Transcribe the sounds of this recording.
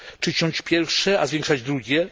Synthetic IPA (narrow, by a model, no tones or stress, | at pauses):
t͡ʂɨt͡ɕɔ̃t͡ɕpʲjɛɾfʂɛazvʲɛ̃ŋkʂad͡ʑd̪ɾuɡʲjɛ